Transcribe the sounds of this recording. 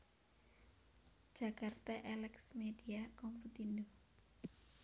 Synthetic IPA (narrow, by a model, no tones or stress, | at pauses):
ʒ̥a̤kart̪aʔɛlɛksmediakɔmput̪inu